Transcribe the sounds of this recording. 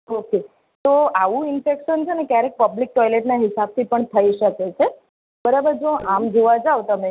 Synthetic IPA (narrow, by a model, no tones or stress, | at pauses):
oke | t̪oaʋũɪnfekʃənt͡ʃʰenekjaɾek̚pəblik̚ʈɔjleʈnaɦɪsab̚t̪ʰipəɳt̪ʰəiʃəket͡ʃʰe | bəɾabəɾd͡ʒoamd͡ʒʱeʋad͡ʒaʋt̪əme